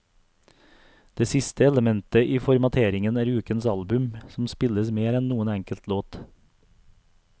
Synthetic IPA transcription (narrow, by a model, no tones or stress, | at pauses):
d̪̥eːsɪst̪əɛləmɛnt̪əʔiːfɔɾmɑt̪ʰeːɾɪŋənæːɾʉːkənsɑlbʉmsɔmspɪləsmeːɾɛnnuːənɛŋkəlt̪ʰloːt̪